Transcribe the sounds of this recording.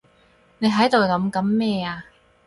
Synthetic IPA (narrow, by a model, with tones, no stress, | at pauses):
ne˨˧jɦɐ˨˥jt̪o˨wkɐ˨˥mkɐ˨˥mːɛː˥˧aː˨˧